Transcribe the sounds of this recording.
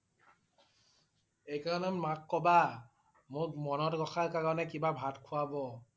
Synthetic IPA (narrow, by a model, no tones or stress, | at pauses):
ejkaɹɔnɛmmakːɔba | mʊkmɔnɔtɡɔxʰaɹkaɹɔnɛkibabʱatkʰʊwabɔ